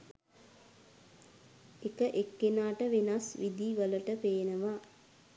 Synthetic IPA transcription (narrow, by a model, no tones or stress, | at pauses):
ekəʔekːenaːʈəʋenasʋid̪iːʋələʈəpeːnəʋa